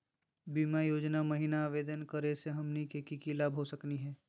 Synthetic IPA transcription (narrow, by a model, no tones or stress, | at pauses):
biːmajoːd͡ʒnamɐɦinaːʋeːd̪ənkəɾeseɦɐmnikekikilaːbɦosəkniɦɛː